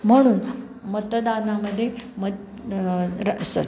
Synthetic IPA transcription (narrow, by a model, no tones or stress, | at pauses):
m̤əɽ̃uːn | mət̪d̪anaməd̪ʱːjemə | ɾəsə̰l